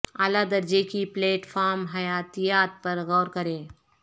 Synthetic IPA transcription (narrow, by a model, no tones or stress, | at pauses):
aːlad̪ɐɾd͡ʒekipleːʈfʰaːɾmɦɐjaːt̪ijaːt̪̚pɐɾɣɔːɾkɐɾẽː